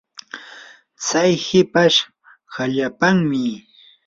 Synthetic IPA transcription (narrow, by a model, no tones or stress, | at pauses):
t͡sajhɪpaʃ | haʎapaŋmɪ